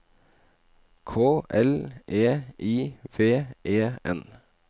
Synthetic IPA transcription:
kʰoːʔɛlʔeːʔiːʋeːʔeːɛ̰n

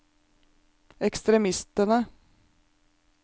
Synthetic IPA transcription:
ɛkst̪ɾɛmɪst̪əɳə

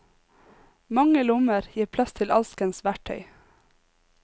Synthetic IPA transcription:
mɑŋəlʊməɾjiːpʰlɑst̪ʰɪlʔɑlskənsʋæʈʰœ̰ʏ

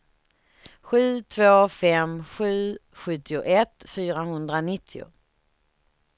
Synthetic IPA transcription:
ɧʉ̟ːt̪ʰvoːfɛmɧʉ̟ː | ɧɵt̪ːɪʊʔɛt̪fyːɾaɦɵnd̪ɾanɪt̪ʰːɪʊ̰

